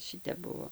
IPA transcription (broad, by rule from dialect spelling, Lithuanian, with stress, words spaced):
ˈʃʲɪtʲɛp ˈbʊʋoː